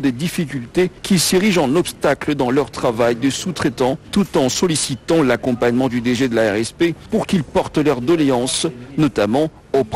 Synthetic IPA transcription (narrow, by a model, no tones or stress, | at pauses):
d̪ed̪ifikʲylt̪ekʲisiʁiʒɑ̃nɔpst̪akləd̪ɑ̃lœʁt̪χavajd̪esut̪χet̪ɑ̃t̪ut̪ɑ̃sɔlisit̪ɑ̃lakɔ̃paɲmɑ̃d̪yd̪eʒed̪əlaɛʁɛspepuʁkilpɔʁt̪lœʁd̪ɔleɑ̃snɔt̪amɑ̃ | op